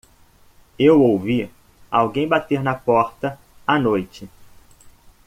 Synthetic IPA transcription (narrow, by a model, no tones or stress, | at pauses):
ewowvi | awɡẽj̃bat̪eɾnɐpɔɾt̪ɐ | anojt͡ʃɪ